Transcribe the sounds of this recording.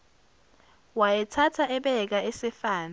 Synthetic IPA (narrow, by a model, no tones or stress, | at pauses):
wajɛtʰatʰaʔɛɓɛk̬aɛsɛfaːna